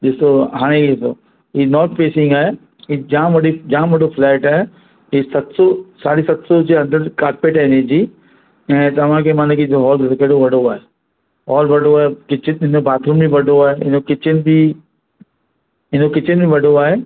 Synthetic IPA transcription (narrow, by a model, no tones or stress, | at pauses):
ɗɪsoɦaːɽ̃eɪso̰ | iːnɔːʈ̚peːsɪ̃ŋɡaːɦe | id͡ʑãːʋɐɖid͡ʑãːʋɐɖoflɛːʈaːɦe | isɐt̪sosaːɽisɐt̪sod͡ʑeɐ̃nd̪əɾkaːʈ̚peːʈaẽnd̪id͡ʑiː | ɛ̃ːt̪ɐʋ̤ãkʰemaːnɪkɪzoɦɔːlɾɪkeːʈoʋɐɖʱoaːɦe | ɦɔːlʋɐɖʱoaːɦekɪt͡ɕɪɪnobaːt̪ʰɾʊnbĩʋɐɖʱoaːɦeɪ̰nokɪt͡ɕɪnbi | ɪnokɪt͡ɕɪnbʱĩʋɐɖʱoaːɦe